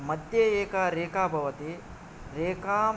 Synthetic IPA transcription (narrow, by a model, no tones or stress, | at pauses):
mɐd̪jeeːkaɾeːkaːbʱɐʋɐt̪e | ɾeːkaː